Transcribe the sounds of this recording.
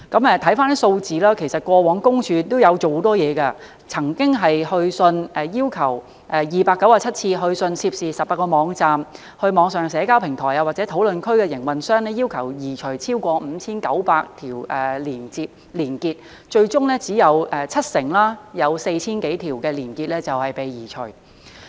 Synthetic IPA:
kɐ˨˥mɛ˨˧t̪ʰɐ˨˥jfaː˥n˥so˧wt͡siː˨˧laː˥kʰe˨˩jsɐ˨t̚kʷɔː˧wɔː˨˥ŋkʊ˥ŋt͡ʃʰyː˧t̪o˥wjɐ˨˧wt͡so˨who˨˥t̪ɔː˥jɛː˨˧kɐ˧ | t͡sʰɐ˨˩ŋkɪ˥ŋɦɐ˨jhɵ˧ɥsɵ˧nɛ˨jiː˥wkʰɐ˨˩w | ʔɛ˨˩jiː˨paː˧kːɐ˨˥wjaː˧˩t͡sʰɐ˥t̚t͡sʰiː˧ɦɵ˧ɥsɵ˧nsʰiː˧˥p̚siː˨˩sɐ˨p̚paː˧˥kɔː˧mɔː˨˧ŋt͡saː˨m | hɵ˧ɥmɔː˨˧ŋsœː˨˩ŋsɛː˨˧kaː˥wpʰɪ˨˩ŋt̪ʰɔː˨˩jɐa˧waː˨k̚t͡sɛ˨˥t̪ʰo˨˥wlɵ˨nkʰɵ˥ɥkɛː˧jɪ˨˩ŋwɐ˨nsœː˥ŋnɛ˥jiː˥wkʰɐ˨˩wjiː˨˩t͡ʃʰɵ˨˩ɥt͡sʰiː˥wkʷɔː˧m̩ː˨˧t͡sʰiː˥nkɐ˨˥wpaː˧k̚t̪ʰiː˨˩wʔɛː˨˩liː˨˩nt͡siː˧p̚ | liː˨˩nkiː˧t̚ | t͡ʃɵ˧ɥt͡sʊ˥ŋlɛː˥t͡siː˨˥jɐ˨˧wɛ˨t͡sʰɐ˥t̚sɪ˨˩ŋlaː˥jɐ˨˧wse˧jt͡sʰiː˥nke˨˥jt̪ʰiː˨˩wkɛː˧liː˨˩nkiː˧t̚lɛː˥t͡sɐ˨whɐ˨jpe˨jjiː˨˩t͡ʃʰɵ˨˩

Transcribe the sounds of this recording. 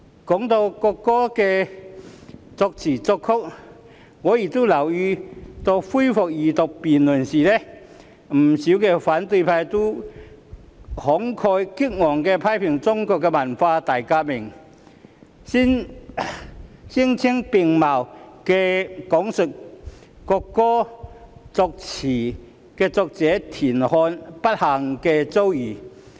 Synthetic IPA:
kɔː˨˥ŋt̪o˧wkɔ˧kːɔː˥kɛ˧ | t͡sɔ˧k̚t͡sʰiː˨˩t͡sɔ˧kʰːʊ˥k̚ | ŋɔː˨˧˦ji˨˩t̪o˥lɐ˨˩wyː˧t̪o˧wfu˥jfʊ˨k̚jiː˨˩t̪o˨k̚piː˨˩nlʊ˨˩nsiː˨˩lɛ˦˥ | m̩˨˩si˨˥wkɛ˧faː˨˥nt̪ɵ˧jpʰaː˧jt̪o˥ | hɔ˨˥ŋkʰɔː˧jki˥k̚ŋɔː˨˩ŋkɛ˧pʰa˧˥jpʰɪ˨˩ŋt͡sʊ˥ŋkɔː˧kːɛ˧mɐ˨˩nfaː˧t̪aː˨˩jkaː˧mɪ˨˩ŋ | si˥n | si˥ŋt͡sʰi˥ŋpɪ˨ŋma˨˩wkɛ˧kɔ˨˥ŋsʊ˨k̚kɔ˧kːɔː˥ | t͡sɔ˧k̚t͡sʰiː˨˩ | kɛː˧t͡sɔ˧k̚t͡sɛː˨˥t̪ʰiː˨˩nhɔː˧npɐ˥t̚ha˨˩ŋkɛː˧t͡so˥wjiː˨˩

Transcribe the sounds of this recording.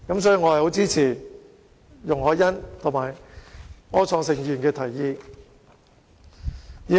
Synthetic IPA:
kɐ˨˥msɔː˨˥jiː˧ŋɔː˨˧hɐ˨jho˨˥wt͡siː˥t͡sʰiː˨˩ | jʊ˨˩ŋɦɔː˨˥jɐ˥nt̪ʰʊ˨˩ŋmaː˨˩j | ŋɔː˨˥t͡sʰɔː˧ŋsɪ˨˩ŋjyː˨˩nkɛː˧t̪ʰɐ˨˩jːiː˧ | jiː˨

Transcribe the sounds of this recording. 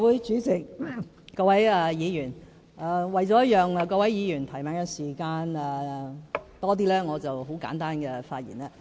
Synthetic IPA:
wuː˨˥jt͡ʃyː˨˥t͡sɪ˨k̚ | kɔː˧wɐ˨˥jɛ˨˧jiː˨˧jyː˨˩n | ɛː˨˧wɐ˨jt͡sɔ˨˧˥jɐ˥t̚jœː˨˩ŋɛ˨˧kɔː˧wɐ˨˥jjiː˨˧jyː˨˩nt̪ʰɐ˨˩jmɛː˨˥ŋkɛ˧siː˨˩kaː˧nɛː˨ | t̪ɔː˥t̪̬iː˥lɛː˥ŋɔː˨˧t͡sɐ˨wɦo˨˥wka̰ː˨˥nt̪aː˥nkɛ˧faː˧t̚jḭː˨˩naː˧˥

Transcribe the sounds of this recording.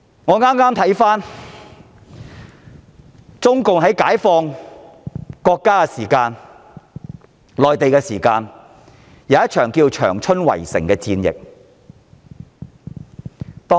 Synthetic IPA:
ŋɔː˨˧ŋaː˥mŋaː˥mt̪ʰɐ˨˥jfaː˥n | t͡sʊ˥ŋkʊ˨ŋɦɐ˨˥jkaː˨˥jfɔː˧ŋ | kɔː˧kːaː˥kɛ˧siː˨˩kaː˧n | lɔː˨jt̪e˨jkɛː˧siː˨˩kaː˧n | jɐ˨˧wjɐ˥t͡ʃʰœː˨˩ŋkiː˧wt͡ʃʰœ̰ː˨˩ŋt͡ʃʰɵ˥nwɐ̰˨˩jsɪ˨˩ŋkɛː˧t͡siː˧njɪ̰˨k̚ | t̪ɔː˥

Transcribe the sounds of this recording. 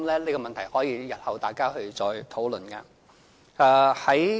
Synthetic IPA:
lɛː˥le˨˧kɔː˧mɐ˨nt̪ʰɐ˨˩jhɔː˨˥jiː˨˧jɐ˨t̚hɐ˨wt̪aː˨jkaː˥hɵ˧ɥt͡sɔː˧jt̪ʰo˨˥wlɵ˨nkɐ̰˧ | aː˧hɐ˨˥j

